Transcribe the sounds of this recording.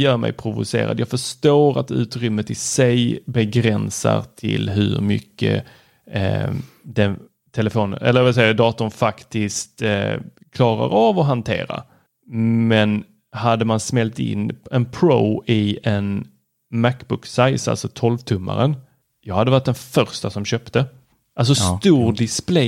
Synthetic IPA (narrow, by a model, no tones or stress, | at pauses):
jœːɾmɛ̰jpʰɾʊvʊseːɾad̪jɑːɡfœʂt̪oːɾat̪ʉ̟ːt̪ɾʏmːət̪ɪsɛjbɛɡɾɛnsaɾt̪ʰɪ̰lɦɵɾmʏkʰːə̰ | d̪ɛn | t̪ʰɛlɛfoːnə̰nʔɛlːəɾvɪls̬ɛjːad̪ɑːt̪ʊnfakt̪ɪskt̪ | kʰlɑːɾa̰ɾavɔɦant̪ʰeːɾa̰ | mɛn | had̪ːəmansmɛlt̪ɪ̰nːɛnpʰɾoːɪɛn | mækbʊksajsa̰sɔt̪ʰɔlvt̪ʰɵmːa̰ɾən | jɑːɡhad̪ːəvaʈ̚d̪ɛnfœɾst̪asɔmɕœːpt̪ə | ʔals̬ɔsst̪uːɾd̪ɪsplɛ